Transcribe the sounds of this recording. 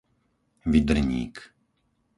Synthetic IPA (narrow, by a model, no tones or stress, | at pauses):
ʋid̪r̩ɲḭːk